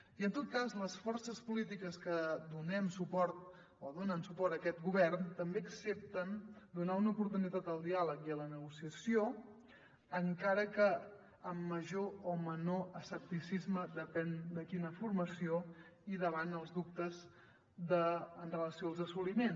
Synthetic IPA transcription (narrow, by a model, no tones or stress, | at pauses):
iənt̪ot̪̚kazləsfɔrsəspulit̪̬ikəskəd̪unɛmsupɔɾt̪̚ | oðonənsupɔrt̪əkɛt̪ɡuβɛrnt̪əmbeəksep̚t̪ənd̪unaunəupuɾt̪unit̪at̪əlˠd̪ialəkiələnəɣusiəsijo | əŋkaɾəkə | əmːəʒoomənoəsəp̚t̪isizməd̪əpɛnd̪əkinəfuɾməsioiðəβanəlˠzðup̚t̪əz | d̪əːnrələsioəlˠzəsulimen